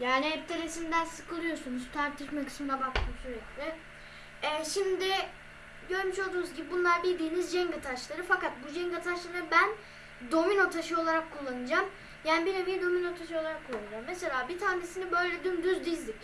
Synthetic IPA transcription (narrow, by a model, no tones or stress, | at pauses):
jaːniɦɛp̚t̪ʰeɾesind̪ænsɯkʰɯlˠɯjo̞sunuz̥t̪ʰaɾt̪ʰiʃmakɯ̥t͡ʃʰmd̪abak̚t̪ʰɯmsyɾɛclʲɪ | ɛʃimd̪ɪ | ɟøɾmyʃo̞lˠd̪uːnuzɟibibunlˠaɾbilʲd̪iːnizd͡ʒɛŋɡat̪ʰaʃlˠaɾɯfakat̪̚bud͡ʒɛŋɡat̪ʰaʃlˠaɾɯbæn | d̪o̞mino̞t̪ʰaʃɯo̞lˠaɾakʰːulˠːanɯd͡ʒam | jaːnibiɾemijɛd̪o̞mino̞t̪ʰaʃɯo̞lˠaɾakʰːulˠːanɯd͡ʒamːese̞lʲaːbit̪ʰaːne̞sinibø̞jlʲɛd̪ynd̪yzd̪izd̪ic